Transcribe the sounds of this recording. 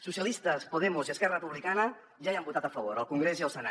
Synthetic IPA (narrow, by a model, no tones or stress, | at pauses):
susiəlist̪əspuð̞ɛmuziəskɛrərəpuβlikanə | ʒaiambut̪at̪əfəβoɾəlˠkuŋɡɾeziəlˠsəna